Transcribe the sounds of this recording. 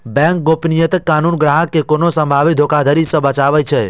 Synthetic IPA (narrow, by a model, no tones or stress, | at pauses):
bɛ̃ŋk̚ɡopnijət̪əkːanunɡɾaɦəkːekonosə̃mbʱaʋit̪d̪ʱokad̪ʱəɾisəbət͡ʃaʋəjt͡ʃʰe